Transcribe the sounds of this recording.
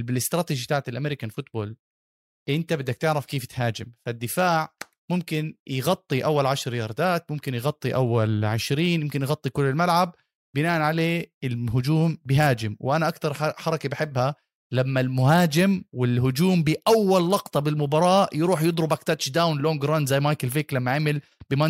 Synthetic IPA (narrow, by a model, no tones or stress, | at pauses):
bɪlɪst̪ɾɑːt̪id͡ʒit̪aːʕt̪ɪlʔameːɾikanfʊt̪̚boːl | ʔɪnt̪abɪd̪ːak̚t̪ɪʕɾɑfkeːft̪haːd͡ʒɪmfad̪ːɪfaːʕ | mʊmkɪnjɣɑt̪ˤːiʔawːalʕaʃɾjɑɾˤd̪aːt̪̚mʊmkɪnjɣɑt̪ˤːiʔawːalʕɪʃɾiːnjɪmkɪnjɣɑt̪ˤːikʊlːɪlmalʕab̚ | bɪnaːʔanʕaleːɪlɦʊd͡ʒuːmbɪɦaːd͡ʒɪmwɪʔanaʔakt̪ɑɾˤħɑɾˤɑkibaħɪbːha | lamːalmʊhaːd͡ʒɪmwɪlɦʊd͡ʒuːmbiʔawːalːɑqt̪ˤɑbɪlmʊbɑɾˤɑːʔjɾuːħjɨd̪ˤɾʊbakt̪at͡ʃd̪awnloːŋɡɾˤɑnzajːmajkɪlfiːklamːaʕamɪl | bɪma